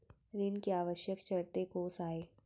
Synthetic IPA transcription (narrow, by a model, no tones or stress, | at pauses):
ɾɪnkeaːʋəʃjəkt͡ʃɐɾt̪ekoːsaːeː